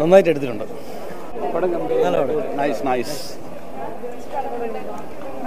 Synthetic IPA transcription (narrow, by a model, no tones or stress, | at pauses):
onːaːjt̬ːeɽut̪̬ːitːuɳɖɨ | pɐɽɐŋɡɐhɐloɽnɐjsnajs